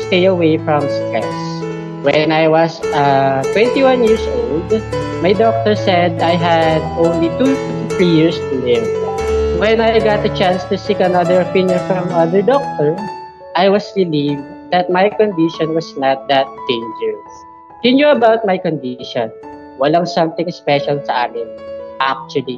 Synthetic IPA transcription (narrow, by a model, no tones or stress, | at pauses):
st̪ejɐwejfɹɔ̃mst̪ɹɛ̰s | wɛnajwʌsʌt̪wɛ̃nt̪iwãnjɪɹsʔold̪ | majd̪ɔk̚t̪ɔɹsɛd̪ajɦæd̪ʔõnlit̪u | θɹijɪɹst̪ud̪ɛ̃mwɛ̃najɡat̪ɐt͡ʃãnst̪usikɐnɐðəɹɐpɪ̃njɔ̃nfɹɔ̃mʌðə˞d̪ɔk̚t̪ɔɹ | ʔajwʌsɹɪlivd̪ɐt̪̚majkɔnd̪ɪʃɔ̃nwɐsnat̪̚d̪ɐt̪̚d̪̥ẽɪnd͡ʒɛɹs | hɪnjuɐbawt̪̚majkɔ̃nd̪ɪʃɔ̃n | wɐlaŋsʌ̃mt̪ɪ̃ŋspɛʃɐlsɐʔaːmɪnʔak̚t͡ʃʊɹli